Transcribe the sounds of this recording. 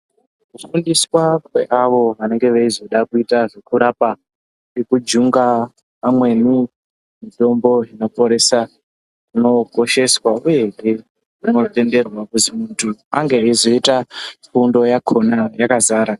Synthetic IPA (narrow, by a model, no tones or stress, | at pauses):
kukundiswakwe̞̰ʔaʋo̞ʋane̞ŋɡe̞ʋeizo̞ɗakuitaʐekuɾapa | ekud͡ʒuŋɡa | pamwe̞ni | mito̞mbo̞ino̞po̞ɾe̞sa | uno̞ko̞ʃe̞swauje̞ŋe | uno̞te̞nde̞rwakutimuntʰua̰ŋɡe̞izo̞itafundo̞jakʰo̞najakazaːɾa